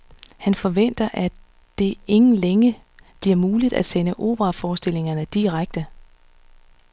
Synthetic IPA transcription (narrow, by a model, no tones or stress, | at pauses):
hænfɒ̽ʋen̰d̥ɐʔæ | d̥e̝e̝ŋn̩leŋə | b̥liɐmuːlid̥æsenəʔo̝̰ːb̥ʁɑ̈fɒːsd̥e̝l̰e̝ŋɐnəd̥iʁaɡ̥̚d̥ə